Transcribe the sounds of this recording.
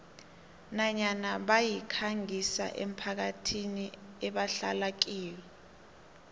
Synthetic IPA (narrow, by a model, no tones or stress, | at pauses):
naɲanaɓajikʰaŋisa̰ʔḛm̩pʰak̬atʰiniɛɓaɬa̰lak̬iːwɛ